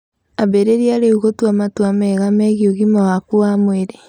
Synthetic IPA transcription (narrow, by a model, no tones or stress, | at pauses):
aβeɾeɾiaɾeuɣotuamatwamɛɣamɛɣioɣimawakuamweɾe